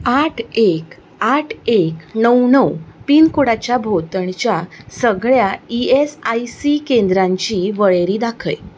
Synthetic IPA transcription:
aʈʰek | aʈʰeknəwnəwpiːnkoɽat͡ɕjabʱot̪əɳt͡ɕjasəɡɭjaiesajsikend̪ɾãɲt͡ɕiʋəɭeɾiːd̪akʰə̰j

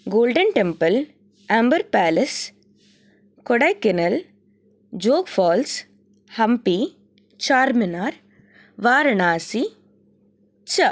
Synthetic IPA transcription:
ɡoːlɖɐnʈɛmpɐl | ambɐɾpaːlɐs | kɔɽɐɪkːɪnɐl | d͡ʒoːkfɔːls | hɐmpi | t͡ʃaːɾmɪnaːɾ | ʋaːɾɐnaːsi | t͡ʃɐ

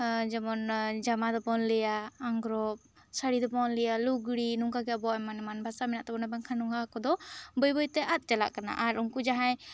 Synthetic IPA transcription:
d͡ʒamɔnd͡ʒamad̪ɔbɔnlɛjaːŋɡɾɔp̚ | saɽid̪ɔbɔnlɛjaluɡɽinuŋkaɡɛjabɔaɛmanɛmanbʱasamɛnaʔt̪ɛbɔnabaŋkʰanuŋɡakɔd̪ɔbəjbəjt̪ɛʔat̪̚ˀt͡ʃala̰ʔkana̰ʔaɾuŋkud͡ʒaɦaj

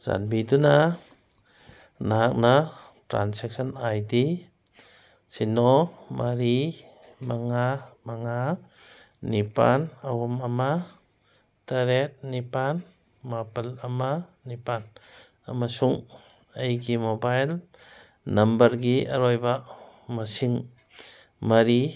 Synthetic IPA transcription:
za̰nbiduna | naɦak̚na | tɾa̰nsek̚sɔnajdi | sinɔmʔaɾi | maŋamaŋa | nipa̰nawɔmama | taɾet̚nipan | mapalamanipan | amasuŋ | ajɡimobajl | nɐmbəɾɡia̰ɾɔjbamasiŋ | maɾi

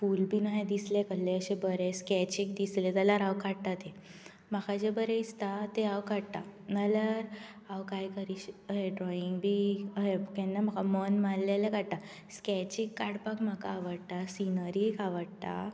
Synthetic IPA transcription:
fulbʱiːnaɦed̪islekəlːeəɕebəɾeskɛt͡ɕik̚d̪islet̪alaɾawkaɽt̪at̪e | makad͡ʑebəɾeist̪at̪eawkaɽt̪anələɾ | awkajkəɾiɕəɦeɖɾɔiŋɡbʱiːəɦekɛnːam̤əkamənmalːelekaɽt̪a | skɛt͡ɕikːaɽpakm̤aka̰ːʋəɽt̪asinəɾikaʋəɽt̪a̰

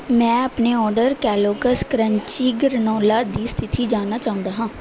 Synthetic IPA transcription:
mɛ̃ːəpneːɔːɾɖəɾkɛːloːkəskɾəɲt͡ʃiːɡəɾnoːlaːd̪iːst̪ʰɪt̪ʰiːd͡ʒaːnaːt͡ʃaːɦʊ̃nd̪aːɦãː

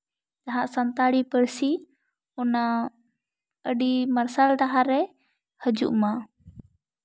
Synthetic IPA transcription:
t̪aɦãʔsant̪aɽipəɾsi | ɔna | əɖimaɾsalʈ̪aɦaɾɛ | həd͡ʒṵʔma

